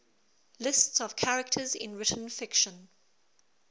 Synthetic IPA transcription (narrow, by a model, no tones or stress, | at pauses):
lɪstsəv̥kʰaɹək̚tʰəzɪ̰̃nɹɪtn̩fɪkʃə̃n